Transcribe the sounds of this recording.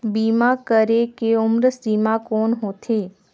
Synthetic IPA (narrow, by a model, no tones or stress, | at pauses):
biːmakəɾekeʊmɾsiːmakɔːnɦoːt̪ʰeː